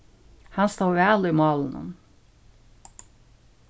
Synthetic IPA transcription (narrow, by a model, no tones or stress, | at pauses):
hɑnst̪ɑːʉæːlɪmɑːln̩ɔ̰n